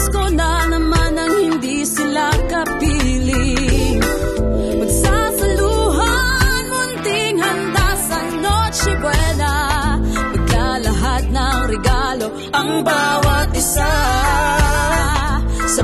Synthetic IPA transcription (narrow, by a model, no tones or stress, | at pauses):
skonanɐmanɐŋhɪnd̪isɪlakɐpilɪŋ | pɐɡsasɐluɦanhʊnt̪ɪŋhɐnd̪asɐ | not͡ʃɛbwɛlɐ | pɐɡ̚lalɐɦat̪̚nɐŋɾɛɡalo̞ | ʔɐŋbawɐt̪̚ɪsa | sɐ